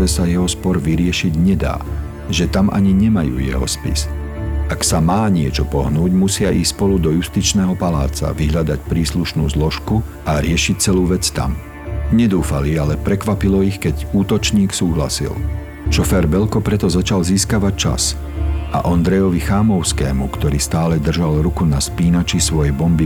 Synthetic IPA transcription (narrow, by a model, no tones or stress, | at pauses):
ɛsajɛɦɔspɔɾʋiɾɪɛʃiɟɲɛd̪a̰ː | ʒɛt̪amʔa̰ɲiɲɛmajṵːjɛ̰ɦɔ̰spḭs | aksamaːɲɪɛt͡ʃɔpɔɦnuːɟmusɪaʔiːspɔlud̪ɔjust̪it͡ʃnɛːɦɔpala̰ːt͡sa̰ʋiɦʎad̪acpɾiːsluʃnuːzlɔʃkuʔaɾɪɛʃic̚t͡sɛluːʋɛt͡st̪a̰m | ɲɛd̪uːfalialɛpɾɛkʋapilɔixkɛɟuːt̪ɔt͡ʃɲiːksuːɦla̰sḭl | ʃɔfɛːɾbɛlkɔpɾɛt̪ɔzat͡ʃalziːskaʋac̚t͡ʃa̰s | ʔa̰ʔɔnd̪ɾɛjɔʋixaːmɔʊskɛ̰ːmukt̪ɔɾiːst̪aːlɛd̪r̩ʒalɾukunaspiːnat͡ʃisʋɔjɛbɔmbi